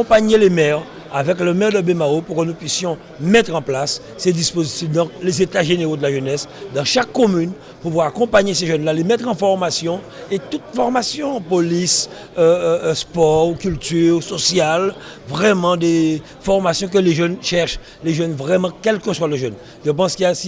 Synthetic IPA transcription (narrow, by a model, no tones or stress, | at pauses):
akɔ̃paɲelemɛʁ | avɛkləmɛʁd̪əbemaopuʁkənupɥisjɔ̃ | mɛt̪χɑ̃plasː | ed̪ispozit̪ifd̪ɑ̃klezet̪aʒeneʁod̪əlaʒənɛsd̪ɑ̃ʃakːɔmyn | puvwaʁakɔ̃paɲeseʒœnlalemɛt̪χɑ̃fɔʁmasjɔ̃ | et̪ut̪fɔʁmasjɔ̃polis | øspɔʁkʲylt̪yʁsɔsjal | vʁɛmɑ̃d̪e | fɔʁmasjɔ̃k̬əleʒœnʃɛʁʃ | leʒœnvʁɛmɑ̃kɛlkəswaleʒœn | ʒəp̬ɑ̃skijasi